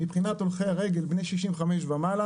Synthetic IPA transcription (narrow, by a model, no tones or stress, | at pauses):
mipχinat̪olχejaʁeɡelbne̞jʃiʃimveχameʃvamala